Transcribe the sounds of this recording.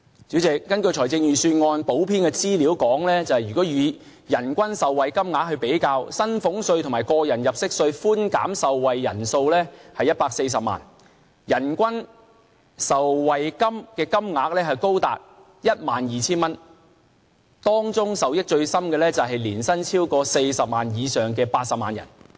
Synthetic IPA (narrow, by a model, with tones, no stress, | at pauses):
t͡si˨˥wt͡sɪ˨k̚ːɐ˥nkɵ˧ɥt͡ʃʰɔː˨˩jt͡sɪ˧ŋjyː˨syː˧nŋɔː˧npo˨˥wpʰiː˥nkɛː˧t͡siː˥liː˨˥wkɔː˨˥ŋlɛː˥t͡sɐ˨whɐ˨jy˨kɔː˨˥jyː˨˧ | jɐ˨˩nkʷɐ˥nsɐ˨wːɐ˨jkɐ˥mŋaː˨˥k̚hɵ˧pe˨˥jkaː˧wsɐ˥nfʊ˨˥ŋsɵ˧ɥt̪ʰʊ˨˩maː˨˩jkɔː˧jɐ˨˩njɐ˨p̚sɪ˥k̚sɵ˧ɥfuː˥nka̰ː˨˥msɐ˨wwɐ˨jːɐ̰˨˩nso˧wlɛː˥hɐ˨jɐ˥t̚paː˧k̚se˧js̬ɐ˨p̚ma̰ː˨˩n | jɐ˨˩nkʷɐ˥n | sɐ˨wwɐ˨jkɐ˥mkɛː˧kɐ˥mŋaː˨˥k̚lɛː˥ɦɐ˨jko˥wt̪a̰ː˨t̚ | jɐ˥t̚maː˨njiː˨t͡sʰiː˥nmɐ˥n | t̪ɔː˥ŋt͡sʊ˥ŋsɐ˨wjɪ˥k̚t͡ʃɵ˧ɥsɐ˥mkɛː˧lɛː˥t͡sɐ˨wɦɐ˨jliː˨˩nsɐ˥nt͡sʰiː˥wkɔː˧se˧jsɐ˨p̚maː˨njiː˨˧sœː˨˩ŋkɛː˧paː˧t̚sɐ˨p̚maː˨njɐ̰˨˩n